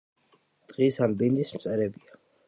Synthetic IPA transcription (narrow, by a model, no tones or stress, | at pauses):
d̪̥ʼʁisanbind̪ismt̪sʼɛɾɛbia